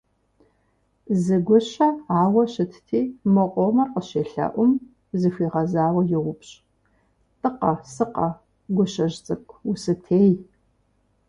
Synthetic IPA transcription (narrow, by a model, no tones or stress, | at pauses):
zɨɡʷʊɕɐaːwɐɕɪtʰtʰiːmɐqʷʼɔmɐrqəɕeːɬɐ̰ʔʷʊm | zɨfiːʁɐzaːwɐjɪʁʷʊpɕʼ | tʼɨqɐsɨqɐ | ɡʷʊɕɐʑt͡sʼɐkʷʰʼʊsɨtʰeːj